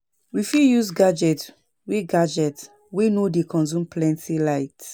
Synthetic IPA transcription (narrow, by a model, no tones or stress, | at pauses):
wifijuzɡad͡ʒɛt | weɡad͡ʒɛt | wenodekʰɔ̃nzũmpʰlɛ̃ntʰilaɪt